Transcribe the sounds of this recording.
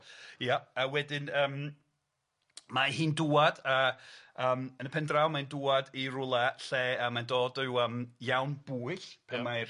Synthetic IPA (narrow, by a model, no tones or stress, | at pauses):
jaawɛdɪnəːm | mahiːnduːadaəːmənəpʰɛndrawmainduːadirʊlˠaɬɛəmandoːdəwəːmjawnb̥uːɨɬpʰɛma